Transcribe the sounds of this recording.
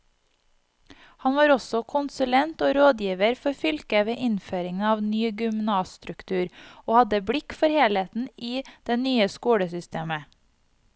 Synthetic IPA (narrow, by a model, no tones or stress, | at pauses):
hɑnʋɑːɾɔsɔkʰʊnsʉlɛnt̪oːɾoːd̪jiːʋəɾfɔɾfʏlkəʋeːʔɪnføːɾɪŋnɑːʋnyːɡʏmnɑːsst̪ɾʉkt̪ʰʉːɾoːhɑd̪əbɽɪkfɔɾheːlheːt̪n̩iːd̪̥ɛnyːəskuːɽəsʏst̪ʰeːmə